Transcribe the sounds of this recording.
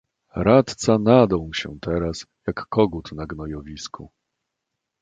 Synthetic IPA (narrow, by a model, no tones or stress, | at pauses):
ɾat̪t̪sanad̪ɔ̃w̃ɕɛ̰t̪ɛɾasjakːɔɡut̪naɡnɔjɔvʲiskʰu